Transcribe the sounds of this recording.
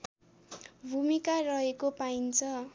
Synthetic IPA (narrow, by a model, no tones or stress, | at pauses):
bʱumikarʌɦekopaint͡sʰʌ